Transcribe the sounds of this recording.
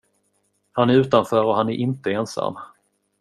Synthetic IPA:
hanæɾʉːt̪anfœːɾɔhanæɾʔɪnt̪əɛnsa̰mː

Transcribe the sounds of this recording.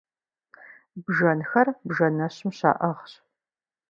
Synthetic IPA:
bʒɐnxɐrbʒɐnɐɕɪmɕa̰ːʔɐʁɕ

